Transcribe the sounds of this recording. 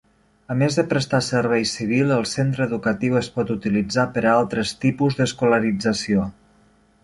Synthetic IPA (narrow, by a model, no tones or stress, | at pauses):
əmezðəpɾəst̪asəɾβ̞ɛjsiβ̞ilˠəlˠsent̪ɾəðukət̪iwəspɔt̪ut̪ilid͡zapəɾaalˠt̪ɾəst̪ipuzðəskuləɾid͡zəsio